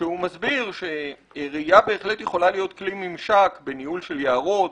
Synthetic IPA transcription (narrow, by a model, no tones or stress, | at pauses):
ʃeumazbiʁʃe | eʁiiabe̞ːχle̞t̪jeχo̞lalijo̞t̪klimimʃakbe̞nihulʃe̞ljaaʁo̞t